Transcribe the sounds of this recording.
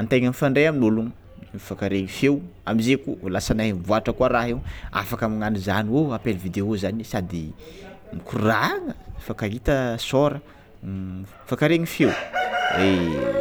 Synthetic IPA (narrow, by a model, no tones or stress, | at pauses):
ant̪eŋənifaɳɖ͡ʐeaminuluŋ | mfakaɾeɲifewamizekulasanaɦenvuaʈ͡ʂəkuaɾaɦewa̰fakamiŋanizaniwoapeluvid̪eozanisad̪imikuraŋəfakaɦit̪əsoɾə | fakaɾeɲifewre